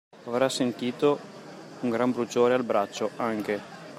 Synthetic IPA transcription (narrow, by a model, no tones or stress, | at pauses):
avɾasːent̪iːt̪o | uŋɡɾambɾut͡ʃoːɾealbɾat͡ʃːoʔaŋk̟e